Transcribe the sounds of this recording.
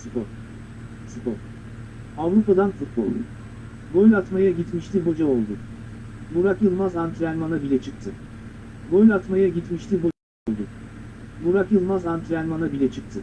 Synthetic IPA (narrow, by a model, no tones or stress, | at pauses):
sɯpɔɾ | supɔɾ | avɾupad̪anfut̪̚bo̰lˠd̪ṵ | ɡojlʲat̪majaɟit̪miʃlʲiɦo̞d͡ʒao̞lˠd̪ʊ | muɾakɯlˠmazant̪ʰɾælʲmanabilʲɛt͡ʃʰɯk̚t̪ʰɯ | ɡojʲat̪majaɟit̪miʃlʲiɦo̞ | olˠd̪ʊ | muɾakɯlˠmazant̪ʰɾiælʲmanabilʲɛt͡ʃʰɯk̚t̪ʰɯ